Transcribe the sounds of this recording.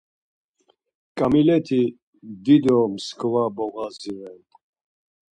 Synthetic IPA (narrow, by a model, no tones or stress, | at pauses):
kʼamilɛt̪ʰi | d̪id̪ɔmskʰvabɔɣaziɾɛn